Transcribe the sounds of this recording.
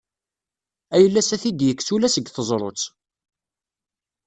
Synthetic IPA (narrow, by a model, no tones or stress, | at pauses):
æjəlːæsæθid̪jəkːsulæsəɡθəzˤɾˤo̰t͡s